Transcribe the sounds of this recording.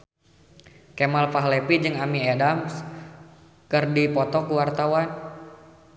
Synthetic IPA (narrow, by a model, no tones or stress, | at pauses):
kemalpaɦlepid͡ʒɨŋamiedams | kɨrdipɔt̪ɔkuwart̪awan